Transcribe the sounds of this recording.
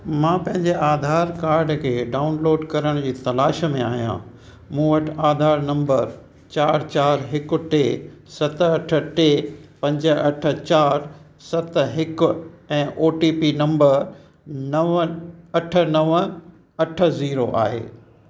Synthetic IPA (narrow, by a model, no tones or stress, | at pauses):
mãːpɐ̃ɦɪ̃ɲd͡ʑeʔaːd̪ʱaːɾkaːɾɖkʰeːɖaːʊnloːɖkɐɾəɽ̃d͡ʑiːt̪ɐlaːʃ̆mẽaːɦijã̰ | mũːʋɐʈʰaːd̪ʱaːɾnɐ̃mbəɾ | t͡ɕaːɾt͡ɕaːɾɦɪkʊ̆ʈeːsɐt̪ɐʈʰə̆ʈeːpɐ̃ɲd͡ʑəɐʈʰə̆t͡ɕaːɾ | sɐt̪ɦɪkʊ̆ɛ̃ːʔoːʈipinɐ̃mbəɾ | nɐʋɐʈʰə̆nɐʋ | ɐʈʰə̆ziːɾoʔa̰ːɦḛː